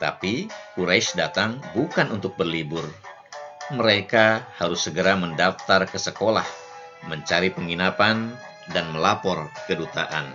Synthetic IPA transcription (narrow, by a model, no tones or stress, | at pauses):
t̪a̰pikuɾajʃdat̪aŋbukanunt̪ʊk̚bərlibʊr | məɾekahaɾʊsːəɡəɾaməndaft̪arkəsəkolah | məɲt͡ʃaɾipəŋinapan | danməlapɔrkədut̪a̰ʔa̰n